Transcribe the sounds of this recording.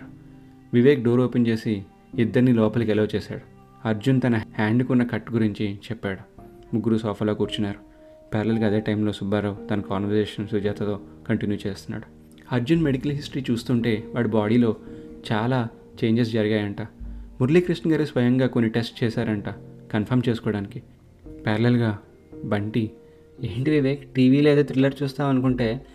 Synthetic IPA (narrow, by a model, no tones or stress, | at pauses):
ʋiʋeːk̚ɖoːɾoːpent͡ʃeːsi | id̪ːɐɾnilɔːpɐlkɛlɐwt͡ʃɛːsa̰ːɽu | ɐɾd͡ʒunt̪ɐnɐhaːɳɖkunːɐkɐʈːɡuɾiɲt͡ʃit͡ʃɛpːaːɽu | muɡːuɾusɔːpʰɐɾloːkuːɾt͡ʃunːaːɾu | pɛːɾɐlɐlkɐd̪eːʈɐjmlo̞ːsubaːɾɐwt̪ɐnɐkaːnʋɐɾseːʃɐnsud͡ʒaːt̪ʰɐt̪o̞ːkɐɳʈinjut͡ʃeːst̪unːa̰ːɽu | ɐɾd͡ʒunme̞ɽikɐlɦisʈɐɾiːt͡ʃuːst̪uɳʈe̞ːʋaːɽubaːɽiːlo̞ːt͡ʃaːlaː | t͡ʃe̞ːɲd͡ʒes̬d͡ʒɐɾiɡaːjɐɳʈaːmuɾliːkɾisnɐɡaːɾisʋɐjɐŋɡaːko̞nːiʈesʈ̚t͡ʃɛːsaːɾɐɳʈaːkɐnpʰɐɾmt͡ʃe̞ːsu̥kɔːɽaːniki | pɛːɾɐlelɡaː | bɐɳʈi | eːɳʈiʋid̪eːʈiːʋiːleːd̪eːt̪ɾilːɐɾt͡ʃuːst̪aːʋɐnukuɳʈe̞ː